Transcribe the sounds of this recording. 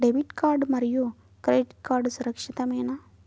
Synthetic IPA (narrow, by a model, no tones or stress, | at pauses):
ɖebiʈkaɾɖməɾjo | kɾeʈkaɾɖsuɾəkʂit̪amena